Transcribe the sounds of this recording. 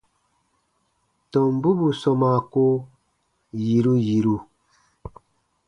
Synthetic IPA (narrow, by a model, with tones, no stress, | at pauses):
tɔ˨mbu˦bu˨sɔ˨ma˨ko˦ | ji˨ɾu˦ji˨ɾu˦